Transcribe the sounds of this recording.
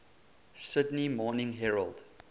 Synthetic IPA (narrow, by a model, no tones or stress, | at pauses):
sɪdnimɔːnɪ̃ŋɦɛɹəlˠd̥